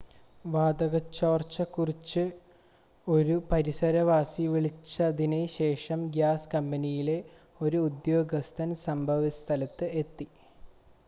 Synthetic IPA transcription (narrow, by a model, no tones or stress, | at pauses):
ʋaːd̪ɐɣɐt͡ɕːoːrt͡ɕːɐkːurit͡ɕːɨ | o̞ɾupɐɾisɐɾɐʋaːsiʋiɭit͡ɕːɐðineɕe̞ːʂɐmɡjaːskɐmbɐnijile̞ | o̞ɾuud̪jo̞ːɡɐst̪ʰɐnsɐmbʱɐʋɐst̪ʰɐlɐt̪ːɨe̞t̪ːi